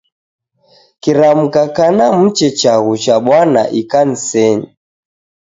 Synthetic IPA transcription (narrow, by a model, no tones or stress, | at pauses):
kiɾam̩kakanam̩t͡ʃɛt͡ʃaɣut͡ʃaɓwana̰ʔikan̩sɛɲi